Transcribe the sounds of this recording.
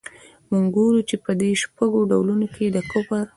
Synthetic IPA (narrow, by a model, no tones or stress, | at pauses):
muŋɡɡuɾut͡ʃepəd̪eʃpaɡoɖawlunoked̪əkʊpaɾ